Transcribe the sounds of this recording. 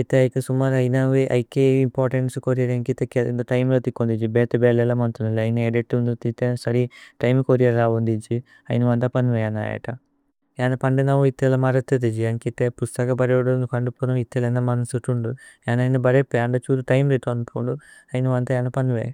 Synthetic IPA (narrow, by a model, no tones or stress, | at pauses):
it̪ːeɐjkːesumːaːɾɐjnɐʋeʔɐ̰jkːeimpoːɾʈeɳʈsukoːɾijɐɾeŋkit̪ːekːeind̪oʈɐjmlɐt̪ikːond̪id͡ʒibeːt̪ebeːlelɐmɐnt̪unɐlɐjinɐeɖiʈːund̪ut̪ːit̪ːesɐɾiʈɐjmkoːɾijɐɾaːʋond̪id͡ʒi | ɐ̰jnɐʋɐnt̪ɐpɐnːʋejaːna̰ːjɐ̰ʈːɐ | jaːnɐpɐɳɖenɐʋuit̪ːelɐmɐɾɐt̪ːɐt̪id͡ʒiɐŋkit̪ːepust̪ɐkɐbɐɾeɽonukɐɳɖupːoːnɐʋit̪ːelɐnd̪ɐmɐnɐsuʈːuɳɖujaːnɐjnɐbɐɾepːeɐɳɖɐt͡ʃuːd̪uʈɐjmɾeʈːɐnupoːɳɖuɐjnɐʋɐnt̪ɐjaːnɐpɐnuʋe